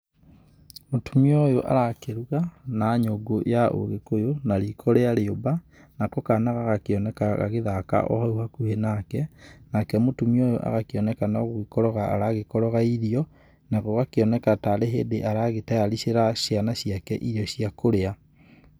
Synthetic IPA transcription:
motumiojoʔa̰ɾakeɾuɣanaɲoɡojaʔo̰ɣekojonaɾikʰɔɾeaɾeoba | nakɔkanaɣaɣakeɔnɛkaɣa̰ɣeðaka̰ʔɔ̰hɔuhakuhenakɛnakɛmotumiojoʔa̰ɣakeɔnɛkanɔɣwikɔɾɔɣaa̰ɾaɣekɔɾɔɣaiɾiɔ | naɣɔɣakeɔnɛkataɾeɦḛːdeʔaɾaɣetajaɾiseɾaɕjanaɕiakɛ̰ʔiɾjɔɕiakoɾea

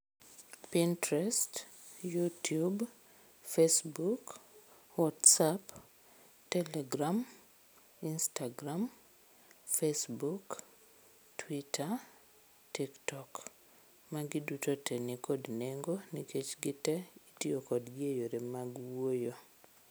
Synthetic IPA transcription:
pintɾɛst | jutjub | fesbuk | wɔtsap | tɛlɛɡɾam | instaɡɾam | fesbuk | tʰwitʰa | tiktɔk | maɡidutotɛnikɔdneŋɡonikʰet͡ʃɡɪtɛitiokɔdɡiejoɾemaɡwojo

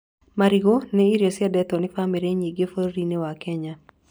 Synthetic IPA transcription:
maɾiɡoneiɾesɪadɛt̪ɔnɪfamiɾeɲiɡefoɾɾinewakɛɲa

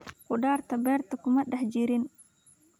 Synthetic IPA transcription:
qʊɖaːrt̪ʰɐbɛːrt̪ʰɐkʰʊmɐɖɐħt͡ʃɪɾɪn

